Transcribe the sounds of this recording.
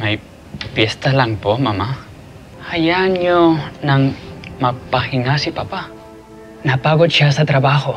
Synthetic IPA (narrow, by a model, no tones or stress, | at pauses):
maj | pjest̪alaŋpomama | ajaɲonaŋmapahiŋasipapa | napaɣot͡ʃasat̪ɾaβaho